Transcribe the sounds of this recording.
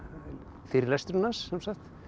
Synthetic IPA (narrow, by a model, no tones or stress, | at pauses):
fɪɾlɛst̪ɾʏnːansːɛmsaxt̪